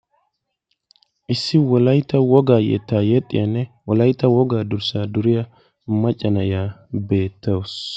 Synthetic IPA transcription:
ʔɪsːɪwɔlɐjt̪ːɐwɔɡaːjɛ̰t̪ːaːjɛt̪ʼːɪ̰jɐnːɛwɔlɐjt̪ːɐwɔɡaːd̪ʊɾsaːd̪ʊɾɪjɐ | mɐt͡ʃʼːɐnɐɪjaːbe̞ːt̪ʰːɐws

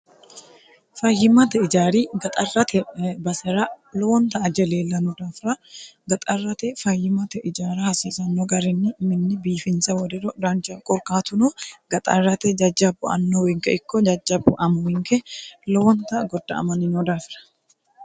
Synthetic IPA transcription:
fɐjːɪmɐt̪ɛɪd͡ʒaːɾiɡɐt̪ʼɐrːɐt̪ʰɛbɐsɛɾɐlɔwɔnt̪ɐːd͡ʒɛleːlːɐnɔd̪aːfɾɐɡɐt̪ʼɐrːɐt̪ɛfɐjːɪmɐt̪ɛʔɪd͡ʒaːɾɐhɐsiːsɐnːoɡɐɾɪnːɪmɪnːɪbiːfɪnsɐwɔd̪ɛɾɔdaːnt͡ʃɐkʼɔɾkaːt̪ʊnoɡ̥ɐt̪ʼɐ̰rːɐt̪ɛd͡ʒɐd͡ʒːɐbʊɐ̰nːowɛŋkɛɪkːɔd͡ʒɐd͡ʒːɐbʊʔɐmwɪŋkɛlɔwɔnt̪ɐɡɔd̪ːɐ̰ɐ̰mɐnɪnɔd̪aːfɾɐ̥

